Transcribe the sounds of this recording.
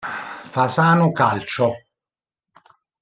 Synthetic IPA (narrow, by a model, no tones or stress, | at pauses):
fasaːnʊkalt͡ʃo